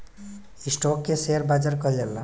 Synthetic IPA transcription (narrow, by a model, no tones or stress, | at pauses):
isʈokːeseəɾbad͡ʒaɾkɔlela